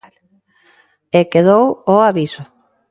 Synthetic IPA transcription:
l | ekeðowoaβiso

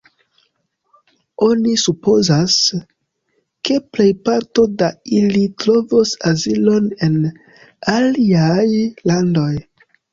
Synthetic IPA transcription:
o̞nisupo̞zas | ke̞ple̞jpaɾto̞dailitɾo̞vosazilo̞ne̞n | aliajlando̞j

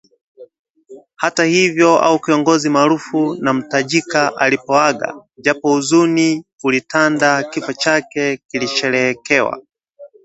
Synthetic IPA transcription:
hatahivjɔa̰ukiɔŋɡɔzimaːɾufunam̩taʄikaʔalipɔaɡa̰ʄapɔuzuniulitandakifɔt͡ʃakɛkiliʃɛɾɛkɛwa̰

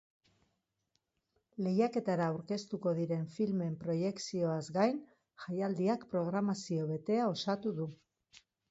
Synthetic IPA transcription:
le̞jake̞t̪aɾaːwɾke̞st̪uko̞ðiɾe̞ɱfilme̞mpɾo̞je̞ksio̞azɡajn | ʝajald̪iakpɾo̞ɣ̞ɾamasio̞βe̞t̪e̞ao̞sat̪uðu

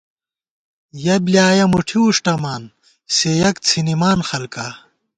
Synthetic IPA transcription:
jɐbliaːjɐmuʈʰiuʂʈɐmaːn | sejɐkt͡sʰinimaːnxɐlka

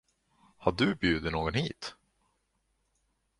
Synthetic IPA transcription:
haɖɵbjʉ̟ːd̪ɪnoːɡɔnhiːt̪

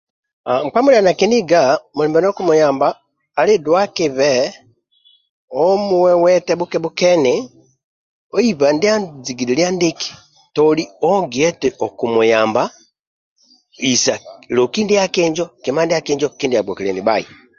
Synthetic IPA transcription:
aŋk͡pamulanakindiɡamuliːmbɛnokumujaːmbaː | lidwakiβe | omuwewɛtɛβukɛβukeni | oiβandiaziɡililiandiki̥ | tolioɡeteʔokumujaːmba | isalokindijakiːɲd͡ʒokimandijakiːɲd͡ʒokindijabwokilḛniβaḭ

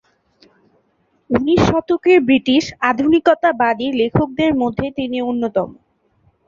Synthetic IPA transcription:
uniʃːɔt̪okeɾbɾiʈiʃad̪ʱunikot̪abad̪iɾlekʰok̚d̪eɾmod̪ʱːet̪inionːot̪ɔmo

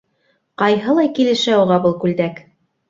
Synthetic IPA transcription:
qɑjɦɤ̆lˠɑjkilɘ̆ʃæuʁɑbɤlˠkʉld̪æk

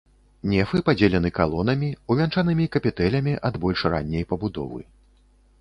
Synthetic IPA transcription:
nʲɛfɨpad͡zʲɛlʲɛn̪ɨkalˠɔn̪ɐmʲiuvʲant͡ʂanɨmʲikɐpʲɛt̪ɛlʲɐmʲiʔɐd̪bɔlʲʂra̰nʲːɛjpɐbud̪ɔ̰vɨ̰

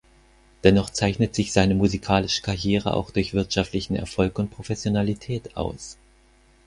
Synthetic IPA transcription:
d̥ɛnɔχt͡saɪçnətz̥ɪçz̥aɪnəmuzikʰaːlɪʃə̥kʰaʁjeːʁ̞ə̰ʔa̰ʊxd̥ʊɐçv̥ɪɐtʃaftlɪçn̩ɛ̰ɐfɔlkʊnt̚pʁ̥ofɛsjonalitʰɛːtʔa̰ʊs

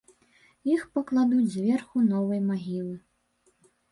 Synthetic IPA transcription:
jixpɐklˠad̪ud͡zʲzʲvʲɛrxunɔvɐjmaɣʲilˠɨ

